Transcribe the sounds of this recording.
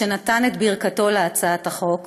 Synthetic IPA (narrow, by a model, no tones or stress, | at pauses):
enat̪anet̪biʁkato̞leat͡saat̪aχo̞k